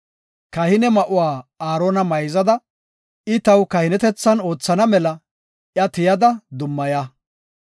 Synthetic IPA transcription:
kɐhɪnɛmɐʔʊwaːaːɾoːnɐmɐjzɐd̪ɐ | ɪt̪ɐwkɐhɪnɛt̪ɛt͡sːɐno̞ːt͡sːɐnɐmɛlɐ | ʔjɐt̪ɪjɐd̪ɐd̪ʊmːɐjɐ

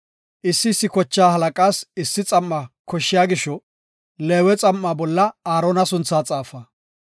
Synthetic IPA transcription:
ʔɪsːɪsːɪkɔt͡ʃːaːhɐlɐkʼaːsɪsːɪt͡sʼɐmːɐkɔʃːɪjaːɡɪʃɔ | leːwɛt͡sʼɐmːaːbɔlːɐaːɾɔːnɐsʊnt͡sːaːt͡sʼaːfɐ

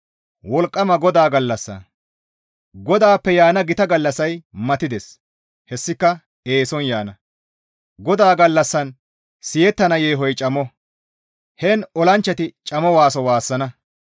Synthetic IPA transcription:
wɔlkʼːɐmɐɡɔd̪aːɡɐlːɐsːɐ̰ | ɡɔd̪aːpːɛjaːnɐɡɪt̪ɐɡɐlːɐsɐjmɐt̪ɪd̪ɛs | hɛsːɪkːɐ | e̞ːsɔnjaːnɐ | ɡɔd̪aːɡɐlːɐsːɐn | sɪjɛt̪ːɐnɐjeːɦɔjt͡ʃʼɐmɔ | hɛnɔlɐnt͡ʃːɐt̪ɪt͡ʃʼɐmɔwaːsɔwaːsːɐnɐ

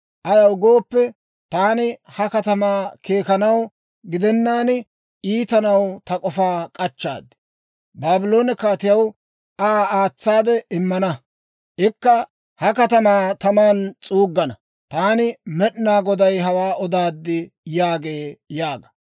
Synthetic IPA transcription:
ʔɐjɐwɡo̞ːpːɛ | t̪aːnɪhɐkɐt̪ɐmaːke̞ːkɐnɐw | ɡɪd̪ɛnːaːn | iːt̪ɐnɐwt̪ɐkʼɔfaːkʼɐt͡ʃːa̰ːd̪ːɪ̥ | baːbɪlo̞ːnɪkaːt̪ɪjɐw | aːaːt͡sːaːd̪ɛʔɪmːɐnɐ | ʔɪkːɐ | hɐkɐt̪ɐmaːt̪ɐmaːnt͡sʼuːɡːɐnɐ | t̪aːnɪmɛɗnaːɡɔd̪ɐjɦɐwaːʔɔd̪aːd̪ːɪ | jaːɡe̞ːjaːɡɐ̥

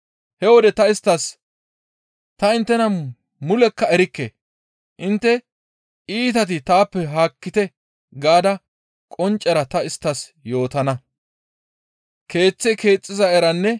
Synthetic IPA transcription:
hɛwɔd̪ɛt̪ɐɪst̪ːɐs | t̪ɐɪnt̪ːɛnɐ | mʊlɛkːɐɛɾɪkːḛ | ʔɪnt̪ːɛ | iːt̪ɐt̪̬ɪt̪aːpːɛɦaːkːɪt̪ɛ | ɡaːd̪ɐ | kʼɔnt͡ʃʼːɛɾɐt̪ɐɪst̪ːɐsjo̞ːt̪ɐnɐ | ke̞ːt͡sːɛke̞ːt͡sʼːɪzɐɛɾɐnːɛ

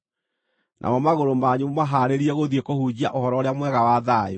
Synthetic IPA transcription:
nʔa̰mɔmaɣoɾomaɲumaɦaɾeɾiɛɣoðiekohud͡ʑiaʔohɔɾɔɾeamwɛɣawaðae

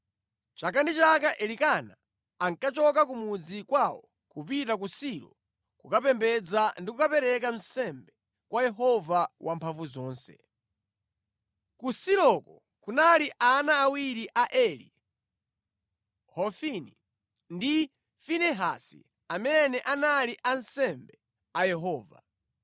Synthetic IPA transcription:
t͡ʃakandit͡ʃakaʔɛlikanaː | ŋkat͡ʃɔkak̬umud͡zikwawɔ | kupitak̬usiɾɔ̰ | kukapɛmbɛd͡zandikukapɛɾɛkam̩sɛmbɛ | kwajɛɦɔvawampʰaɱvuzɔːnsɛ̰ | kusiɾɔkɔ | kunaliʔanaːwiɾiʔaʔɛlḭ | hɔfini | ndi | finɛɦa̰sḭ | amɛnɛʔanaliʔansɛmbɛ | ajɛɦɔːva̰

